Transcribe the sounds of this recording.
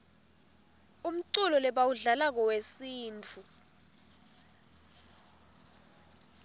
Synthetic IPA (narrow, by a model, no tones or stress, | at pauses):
um̩ǀulɔlɛɓawuɮalak̬ɔwesiːnt͡fʰu